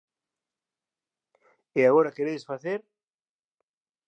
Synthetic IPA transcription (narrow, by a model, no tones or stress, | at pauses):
eaɣoɾakeɾeðesfaθeɾ